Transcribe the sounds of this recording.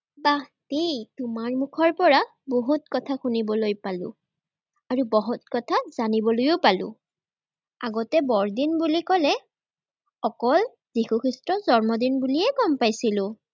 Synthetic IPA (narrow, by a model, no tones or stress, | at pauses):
batejtumaɹmukʰɔɹpɔɹa | boɦutkɔtʰaxunibɔlojpalʊ̰ | aɹubɔɦut̚kɔtʰaz̥anibɔlojopalʊ̰̃ | aɡɔtɛbɔɹdinbulikɔlɛ | ɔkɔl | zixukʰistɹɔzɔɹmɔdinbuliɛɡɔmpajsilʊ